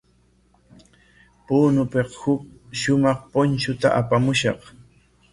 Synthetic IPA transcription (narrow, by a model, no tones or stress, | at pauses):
puːnʊpeqhʊk̚ʃʊmɑχpont͡ʃʊt̪a̰ʔapamʊʃɑ̰q